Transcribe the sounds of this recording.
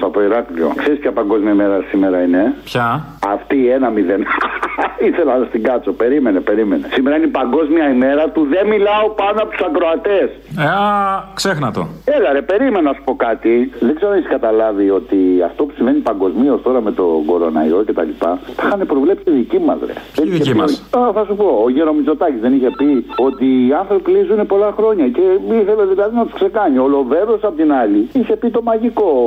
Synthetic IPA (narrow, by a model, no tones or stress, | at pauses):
st̪oɐpoiɾɐklio̞̰kse̞ɾispçɐpɐŋɡo̞zmijɐime̞ɾɐsimeɾɐine̞pçɐ | ɐft̪iːenɐmiðen | iθe̞lɐnɐst̪iŋɡɐt͡so̞pe̞ɾime̞nepe̞ɾime̞ne̞simeɾɐinipɐŋɡo̞zmiɐime̞ɾɐt̪uðe̞milɐo̞pɐnoɐpot̪usɐkɾoɐt̪e̞saksexnɐt̪o̰elɐɾepe̞ɾimenɐnɐsu̥po̞kɐt̪iðeɡze̞ɾonisi̥kɐt̪ɐlɐvio̞t̪iɐ̰ft̪o̞pu̥siɱvenipɐŋɡo̞zmio̞st̪o̞ɾɐme̞t̪o̞̰ɡo̞ɾo̞̰nɐ̰ḭɾo̞ce̞t̪ɐ̰lipɐfixɐne̞pɾo̞vle̞psiiðicimɐ̰zɾḛðeniçeioθɐsupo̞ːʝeɾo̞mizo̞t̪ɐcizðe̞niçe̞pio̞t̪iːɐnθɾopipilizunepo̞lɐxɾo̞ɲɐce̞iθe̞le̞ðilɐðinɐt̪u̥skse̞kɐɲiolo̞ve̞ɾosɐpot̪inɐliiçe̞pit̪o̞mɐʝiko̞